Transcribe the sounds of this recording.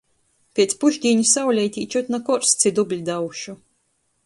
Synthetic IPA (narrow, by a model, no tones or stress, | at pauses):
pʲɛt̪spuʒd̪ʲiːɲʲusawlʲajt̪ʲiːt͡ʃɔt̪ʲnakɔɾst̪sʲid̪ublʲid̪awʃu